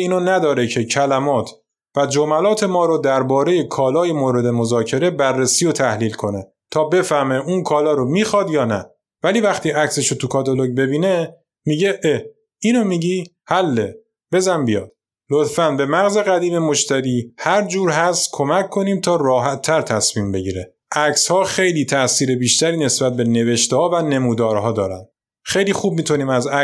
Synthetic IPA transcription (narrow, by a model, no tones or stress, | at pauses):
iːnonæd̪ɒːɾecʰe̞cʰælæmɒːt̪ʰ | væd͡ʒomælɒːt̪ʰe̞mɒːɾod̪æɾbɒːɾe̞je̞kʰɒːlɒːjemoːɾe̞d̪e̞mozɒːcʰe̞ɾe̞bærːesiːjot̪ʰæhliːlkʰo̞ne | t̪ʰɒːbe̞fæhme̞ʔunkʰɒːlɒːɾomiːxɒːd̪jɒːnæ̰ | væliːvæxt̪iːʔæcseʃot̪ʰukʰɒːt̪ʰoloɟbe̞biːne | miːɟe̞ʔe | iːnomiːɟiː | hælːe | b̥e̞zænbijɒ̰ːd̪̥ | lot̪fænbe̞mæɣze̞ɣæd̪iːme̞mo̞ʃt̪ʰæɾiːhæɾd͡ʒuːɾɦæst̪kʰo̞mækʰːo̞niːmt̪ʰɒːɾɒːɦæt̪ʰːæɾt̪ʰæsmiːmbe̞ɟiːɾe | ʔæcshɒːxe̞jliːt̪ʰæʔsiːɾe̞biːʃt̪ʰæɾiːne̞sb̥æt̪̚be̞ne̞ve̞ʃt̪ehɒːvæne̞muːd̪ɒːɾɦɒːd̪ɒːɾæ̰nd̪ | xejliːxuːb̚miːt̪ʰuniːmæzæ